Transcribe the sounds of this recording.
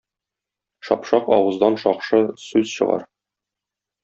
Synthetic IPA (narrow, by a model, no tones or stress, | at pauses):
ʃɒ̰pʃɑqɒ̰wɤ̆zd̪ɑnʃɒqʃɤsʉz̥ɕɤ̰̆ʁɑ̰ɾ